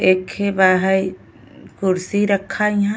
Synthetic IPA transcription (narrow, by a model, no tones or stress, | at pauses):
eːkhebaːɦəj | kʊɾsiɾəkʰːaɦã